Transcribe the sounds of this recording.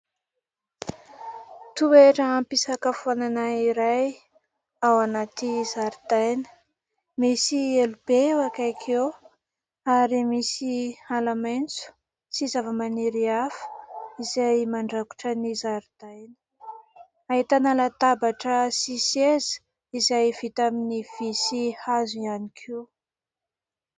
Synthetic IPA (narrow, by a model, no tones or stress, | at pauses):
t̪ueʈ͡ʂəampisakəfuananaiɾaj | awanat̪izaɾid̪ajnə̥ | misielubewakajkʰe | aɾimisialamajnt͡su̥ | sizavəmaniɾiafə̥izajmaɳɖ͡ʐaku̥ʈ͡ʂənizaɾid̪̥ajnə̥ | ait̪analat̪abaʈ͡ʂəsisez̥ | izajvit̪aminiv̥isihazianikʰiw